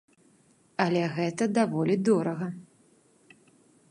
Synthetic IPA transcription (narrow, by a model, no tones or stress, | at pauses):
ɐlʲɛɣɛt̪ɐd̪avɔlʲid̪ɔɾɐɣɐ